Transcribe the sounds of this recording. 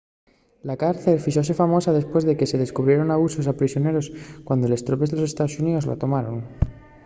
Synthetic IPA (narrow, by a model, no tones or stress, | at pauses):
lakaɾθe̞lfiʃo̞s̬e̞famo̞sað̞e̞spwe̞zðe̞ke̞se̞ð̞e̞skuβɾje̞ɾo̞naβuso̞s̬apɾisjo̞ne̞ɾo̞skwand̪o̞le̞st̪ɾopezðlose̞st̪aðosuniðo̞zla̰t̪o̞maɾo̞n